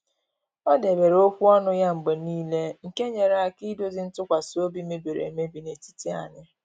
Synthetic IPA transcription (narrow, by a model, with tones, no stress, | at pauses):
ɔ˦de˨be˨ɾo˦kʷu˦ɔ˦nʊ˦ja˦ŋ͡m̩˨ɡ͡be˨niː˦le˦ŋ̩˨ke˦ɲe˨ɾa˦˨ki˦do˦zi˨n̩˦tʊ˦kʷa˨so˦bi˦me˦de˨ɾḛ˨me˦bi˨ne˨ti˦ti˦a̰˨nɪ˦